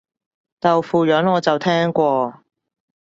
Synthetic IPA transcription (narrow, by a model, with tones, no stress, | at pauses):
t̪ɐ˨wfuː˨jœː˨˥ŋɔː˨˧t͡sɐ˨wt̪ʰɛː˥ŋkʷɔː˧